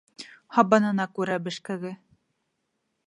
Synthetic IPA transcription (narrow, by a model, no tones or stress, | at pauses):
hɑbɑnɤ̆nɑkʉɾæbɘ̆ʃkæ̆ɡɘ